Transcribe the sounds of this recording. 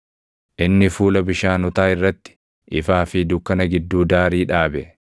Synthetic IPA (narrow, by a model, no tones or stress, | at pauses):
ʔɪnːɪfuːlɐbɪʃaːnɔt̪aːɪrːɐt̪ːɪ̥ | ʔɪfaːfɪd̪ʊkːɐnɐɡɪd̪ːuːd̪aːɾiːᶑaːbɛ